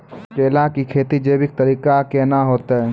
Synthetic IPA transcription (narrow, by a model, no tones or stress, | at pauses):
keːlakikʰeːt̪id͡ʒeːbɪk̚t̪əɾiːkakenaɦoːt̪aɦɛ